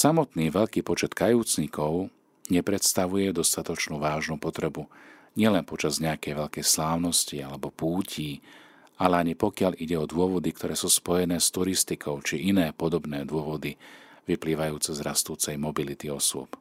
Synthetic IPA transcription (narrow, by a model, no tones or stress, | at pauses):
samɔt̪niːʋɛʎkiːpɔt͡ʃɛt̪kajuːt͡sɲikɔʊ | ɲɛpɾɛt̪st̪aʋujɛd̪ɔst̪at̪ɔt͡ʃnuːʋaːʒnuːpɔt̪ɾɛbu | ɲɪɛlɛnpɔt͡ʃazɲɛakɛjʋɛʎkɛjslaːʊnɔscialɛbɔpuːciː | alɛaɲipɔkɪaliɟɛɔd̪ʊɔʋɔd̪ik̚t̪ʰɔɾɛːsuːspɔjɛnɛːst̪uɾist̪ikʰɔʊt͡ʃiʔinɛːpɔd̪ɔbnɛːd̪ʊɔʋɔd̪iʋipliːʋajuːt͡sɛzɾast̪uːt͡sɛjmɔbilit̪iɔsʊɔ̰p